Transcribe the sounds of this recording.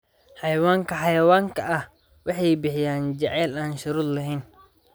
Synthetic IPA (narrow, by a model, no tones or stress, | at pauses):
ħɑjɐwaːŋkʰɐħɑjɐwaːŋkʰɐʔɐh | wɑħɑjbɪħɪjaːnd͡ʒɛʕɛːlaːnʃʊɾuːd̪lɐɦɛjn